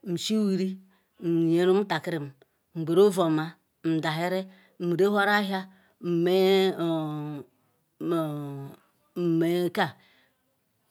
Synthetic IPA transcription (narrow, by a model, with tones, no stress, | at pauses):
m̩˨si˦wi˨ɾi˦ | m̩˨je˨ɾu˦m̩˦ta˨ki˦ɾi˨m˨ | m̩˨ɡ͡be˨ɾo˦vo˨ma˨ | m̩˨da˨ɦe˦ɾe˦ | m̩˨ɾe˦ho˦ɾa˦ɦa˦ | m̩˨me˦˨ | me˨˦ka˦˨